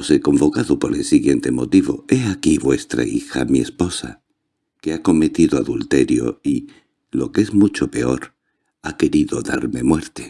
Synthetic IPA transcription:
oseko̞mbo̞kaðopo̞ɾe̞lsiɣje̞nt̪e̞mo̞t̪iβo̞̰e̞akiβwe̞st̪ɾa̰ḭxa̰mie̞spo̞sa̰ | keako̞me̞t̪iðoaðult̪e̞ɾjo̰i | lo̞ke̞zmut͡ʃo̞pe̞o̞ɾ | ake̞ɾiðo̞ðaɾme̞mwe̞ɾt̪e

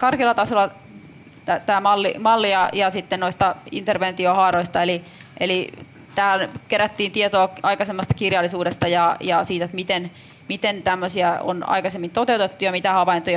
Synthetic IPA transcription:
kɑrkilːˑɑt̪ɑsolːˑɑ | t̪æt̪æːmɑlːḭmɑlːijɑjɑsit̪ːennoist̪ɑḭnt̪erʋent̪iohɑːroist̪ɑeli | ʔeli | t̪æːlkeɾæt̪ːiːnt̪iet̪oːɑikɑsemːɑst̪ɑ̥kirjɑlːˑisuːdest̪ɑjɑjɑsiːt̪et̪mit̪en | mit̪ent̪æmːøsiæo̰nɑ̰ikɑsemːint̪ot̪eut̪et̪ːujɑmit̪æhɑʋɑint̪ojɑ

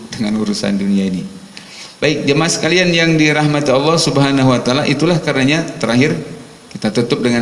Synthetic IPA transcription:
dəŋanuɾusa̰nduniaini | baɪk̚d͡ʒamasə̥kalianjaŋdiɾaɦmat̪iɑlːɑhsubəɦanaɦuwat̪alaʔit̪ulahkarnaɲat̪əɾaɦɪr | kit̪at̪ut̪ʊp̚dəŋa

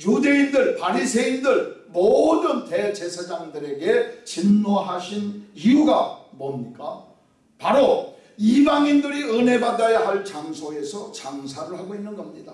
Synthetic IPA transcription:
jude̞indɯɭpaɾisʰe̞indɯɭmodɯnte̞t͡ɕe̞sʰad͡ʑaŋdɯɾe̞ɡe̞t͡ɕinmoɦaɕʰinijuɡamomɲik͈a | paɾo | ibaŋindɯɾiɯne̞badajaɦaɭt͡ɕaŋsʰoe̞sʰʌt͡ɕaŋsʰaɾɯɭhaɡoinːɯnɡʌmɲida

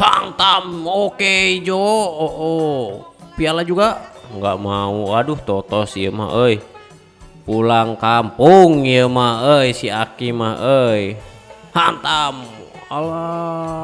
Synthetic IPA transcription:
ha̰nt̪amokeid͡ʒooʔo | pialad͡ʒuɡaʔŋɡaʔmauaduht̪ɔt̪ɔsiəma̰ɦəi | pulaŋkampuŋijəmahəisiakimaəi | hant̪amala

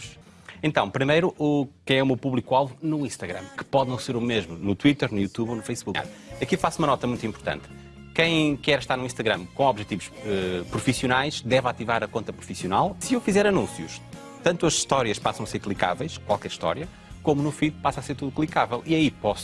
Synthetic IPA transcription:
ʃ | ẽnt̪ɐ̃w̃pɾimejɾuʔukɐ̃j̃ɛumewpuβlˠikualˠvunuĩʃt̪ɐɣɾɐ̃mkɨ̥pɔðnɐ̃w̃seɾumeʒmunut̪wit̪ɛɾnujut̪uβonufɐjsβuka̰ɾɐkifasumɐnɔt̪ɐmũj̃t̪ĩmpuɾt̪ɐ̰̃nt̪ | kɐ̃j̃kɛɾʃt̪aɾnuĩʃt̪ɐɣɾɐ̃mkõɔβʒɛt̪ivuʃɛpɾufisiunajʃd̪ɛvat̪ivaɾɐkõnt̪ɐpɾufisjunalˠsɨewfizɛɾɐnũsjṵʃ | t̪ɐ̃nt̪uɐzʃt̪ɔɾjɐʃpasɐ̃w̃ɐseɾklˠika̰vɐjʃkwalˠkɛɾʃt̪ɔ̰ɾiɐ | komunufiðpasaseɾt̪uðuklˠikavɛlˠiɐipɔs

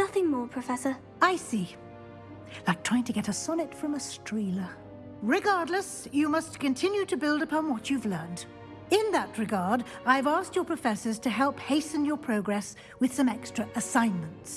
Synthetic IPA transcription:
nʌθɪ̃ŋmɔɹpʰɹ̥ɨfɛsə˞ | aɪsi | laɪk̚tʰɹ̥aɪɪ̃ŋtʰɨɡɛɾɨsɑnɨtfɹʌ̃mɨstɹ̥ilˠə | ɹɨɡɑɹdˡləsjɨmʌstkɨ̃ntʰɪ̃njʉɾɨbɪlˠdɨpʰɑ̃nwʌt͡ʃʉvlɜ̃˞nt | ɪ̃nðət̚ɹɨɡɑɹɾaɪɨvæs̚t͡ʃə˞pʰɹ̥ɨfɛsə˞z̥tʰɨɦɛlˠpheɪsɨ̃njə˞pʰɹ̥oʊɡɹɛs | wɨð̥sʌ̃mɛkstɹ̥ɨʔɨsãɪ̃nmɨ̃n̩ts

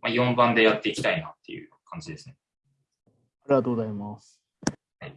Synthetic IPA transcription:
majõ̞mbãnd̪e̞jat̪ːe̞ikʲi̥t̪ainat̪ːe̞̰jɯ̟̰kʰãɲ̟d͡ʑid̪e̞sɨ̥ne | aɾʲiɡat̪oːɡozaimas | hai

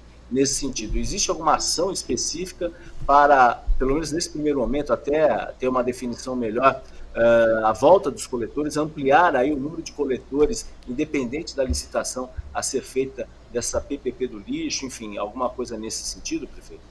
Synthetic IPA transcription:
nesɪ̥sẽnt͡ʃid̪ʊezist͡ʃɪawɡũmɐasɐ̃w̃ɪspesifi̥kɐpaɾɐpelomẽnʊznesɪ̥pɾimejɾʊmõmẽnt̪ʊat̪ɛt̪eɾũmɐd̪efinisɐ̃w̃meʎɔɾɛavɔwt̪ɐd̪ʊskolet̪oɾɪzɐ̃mpliaɾaiʊnũmeɾʊd͡ʒɪkolet̪oɾɪsĩd̪epẽnd̪ẽnt͡ʃɪd̪ɐlisi̥t̪asɐ̃w̃ɐ̰seɾfejt̪ɐ | d̪ɛsɐpepeped̪ʊliʃʊẽfĩa̰wɡũmɐkojzɐnesɪ̥sẽt͡ʃid̪ʊpɾefejt̪ʊ

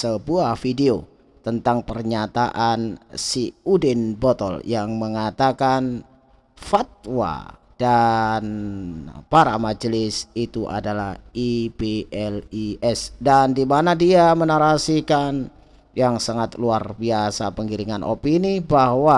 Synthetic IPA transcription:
səbuahfideo | t̪ənt̪aŋpərɲat̪aʔansiudɪnbɔt̪ɔ̰ljaŋməŋat̪akan | fat̪̚wa̰ | d̥an | paɾamad͡ʒəlɪsit̪uʔa̰dalahibeɛliʔɛsdandimanadiamənaɾasikan | jaŋsaŋat̪luarbiasapəŋɡiɾiŋanʔo̰pinibahwa

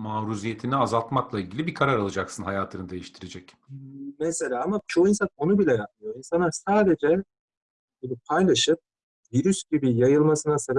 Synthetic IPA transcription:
maːɾuzijet̪ʰiniazalˠt̪maklˠailʲɟilʲibikʰaɾaɾalˠɯd͡ʒaksɯnɦajaːt̪ʰɯnɯd̪e̞jiʃt̪ʰiɾed͡ʒɛc | mese̞lʲaːamat͡ʃʰoins̬ano̞nubilʲɛjanmɯjo̞insanˠaɾsaːd̪e̞d͡ʒɛ | ɟibipʰajlˠaʃɯp̚ | viɾysɟibijajɯlˠmasɯnasab

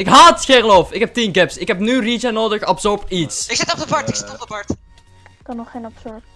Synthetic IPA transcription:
ɪkɦaːtxeːrəlofɪkɦɛp̚tinɡɛpsɪkɦɛpnyrit͡ʃanoːdəxɑpsɔɹpitsɪksɪtɔpdəpɑɹtɪksɪtɔp̚dəpɑɹt | kɑnɔχenɑpsɔɹp

